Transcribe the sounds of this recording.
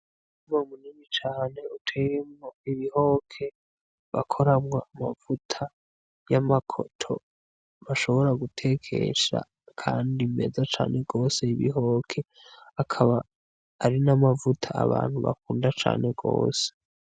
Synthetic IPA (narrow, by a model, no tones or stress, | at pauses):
imomuniːnit͡ʃaːne̞utʰeemoiβiho̞kʰe̞ | βa̰kʰoɾamŋaamav̥utʰa | jamakʰo̰tʰo̞̰ | βaʃo̞βo̞ɾaɡutʰe̞kʰe̞̰ʃa̰ | kʰaːndime̞zat͡ʃa̰ːne̞ɡo̞ːse̞iβḭɦo̞ːkʰe̞ | akʰaβaː | ɾinamavutʰaa̰βa̰ːn̥huβa̰kuːndat͡ʃa̰ːne̞ɡo̞̰ːse̥